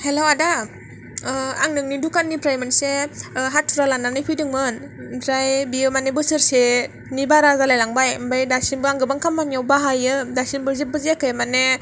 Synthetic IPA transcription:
helowada | aŋnɯŋnidukanːipɾajmɯnseɦatʰːuɾalanːanɯjpʰɯjdɯŋmɯnpɾajbiɯmanebɯsɯɾse | nibaɾazalajlaŋbajmbajdasinbɯaŋɡɯbaŋkʰamːanjawbaɦajɯdasinbɯzebɯzekɯjmane

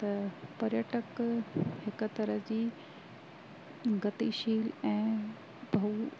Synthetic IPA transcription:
t̪ɐpɐɾjəʈəkhɪkt̪ɐɾəɦd͡ʑiː | ɡɐt̪iʃiːlɛ̃ː | bʱɐu

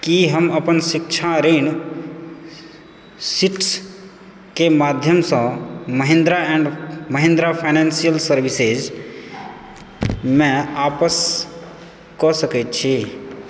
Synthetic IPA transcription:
kiɦəməpənsikt͡ʃʰaɾin | siʈs | kemaːd̪ʱjəmsə̃məɦẽnd̪ɾaɛ̃ɳɖməɦẽnd̪ɾapʰaɪnɛ̃nsijəlsəɾʋised͡ʒ | mɛ̃aːpəs | kɔsəkɛt̪̚t͡ʃʰi

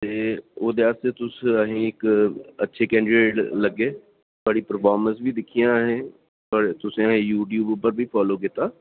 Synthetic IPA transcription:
t̪eːoːd̪eːaːst̪eːt̪ʊsəɦẽːɪkətːʃʰeːkɛ̃ːɳɖɾeːʈləɡːeː | əɽiːpəɾpʰaːɾmə̃nsbiːd̪ɪkʰːijãːɦẽː | pəɾt̪ʊsẽːəɦẽːjuːʈjuːbpəɾbʱiːpʰɔːloːkɪt̪ːaː

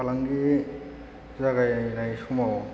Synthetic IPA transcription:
alaŋɡi | zaɡajnajsumaw

